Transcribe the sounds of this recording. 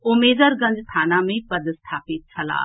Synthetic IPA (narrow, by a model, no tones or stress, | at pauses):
ʊmeːzəɾɡə̃ɲd͡ʒt̪ʰaːnãːmẽːpəd̪st̪ʰaːpɪt̪̚t͡ʃʰəla̰ː